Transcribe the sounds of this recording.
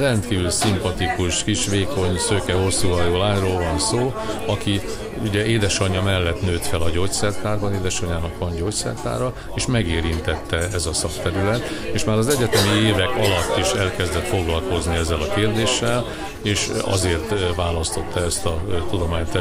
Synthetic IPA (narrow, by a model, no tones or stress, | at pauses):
rɛnt̪kiːvylsimpɒt̪ikuʃkiʃʋeːko̞ɲsøːkɛɦo̞sːuɒjoːlaːɲroːlvɒnsoː | ɒki | uɟɛeːd̪ɛʃɒɲːɒmɛlːɛt̪nøːt̪fɛlɒɟoːt̪sɛrt̪aːrbɒneːd̪ɛʃɒɲaːnɒkʋɒnɟoːct̪sɛ̰rt̪a̰ːɾɒ | eːʃmɛɡeːɾint̪ɛt̪ːɛɛzɒsɒkt̪ɛɾylɛt̪eːʃmaːɾɒzɛɟːɛt̪ɛmieːvɛkɒlɒt̪ːiʃɛlkɛzd̪ɛt̪fo̞ɡlɒlko̞zniɛzːɛlɒkeːrd̪eːʃːɛl | eːʃɒ̰zeːrt̪vaːlɒst̪o̞t̪ːɒɛst̪ɒt̪ud̪o̞maːɲt̪ɛ